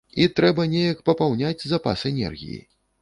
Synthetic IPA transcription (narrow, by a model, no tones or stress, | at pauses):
it̪ɾɛbɐnʲejɐkpɐpawnʲad͡zʲzapa̰sɛnʲɛ̰rɣʲḭjḭ